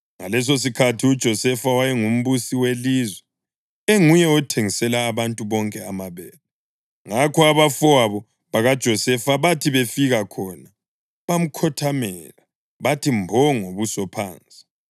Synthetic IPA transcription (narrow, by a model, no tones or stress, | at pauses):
ŋa̰lɛs̬os̬ikʰatʰiud̥ʒ̥ʱɔsɛfawajɛŋum̩βusiwelizwɛ | eŋujɛɔtʰeŋisɛlaːβantʼuβɔŋkʼɛamaβɛlɔ | ŋakʰɔaβafɔaβɔ | βaɣad̥ʒ̥ʱɔsɛfaβatʰiβefiɣakʰɔna | βam̩kʰɔtʰamɛla | βatʰimbʱɔŋoβusɔpʰa̰ːnt͡sʼi̥